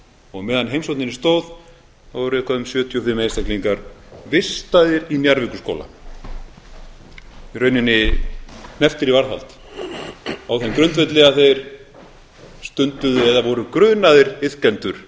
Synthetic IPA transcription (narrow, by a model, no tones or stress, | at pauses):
ɔɣmɛːðanɦejmsowt̪nɪnɪst̪oːwð | awvɔɾʏɛhkʰaðʏmsjœːt̪ʰjɔfɪmejnst̪akliŋkaɾvɪst̪aðɪɾinjaɾvɪkʏsko̰ːla̰ | irœːɥnɪnːɪ | nɛft̪ɪɾivaɾθa̰lt̪ | awθemkɾʏnt̪vɛjt̪lɪɣaθejɾ̥ | st̪ʏnt̪ʏðʏɛðavɔɾʏkɾʏːnaðɪɾɪðkɛnt̪ʏɾ̥